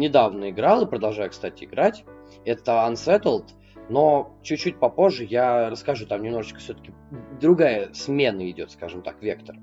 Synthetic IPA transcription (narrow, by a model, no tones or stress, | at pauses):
nʲɪd̪avnəɪɡɾalˠɨpɾəd̪ɐlˠʐajʊkst̪atʲɪɪɡɾatʲ | ɛt̪əɐnsɛt̪əlˠt̪ | no̞t͡ɕʉt̚ʲt͡ɕːutʲpɐpo̞ʐːɨjarəskaʐut̪amnʲɪmno̞ʐɨt͡ɕkə̥sʲɵt̪ə̥kʲɪ | d̪ɾʊɡajəsmʲe̞nəɪdʲo̞t̪skaʐɨmt̪a̰kvʲe̞kt̪ər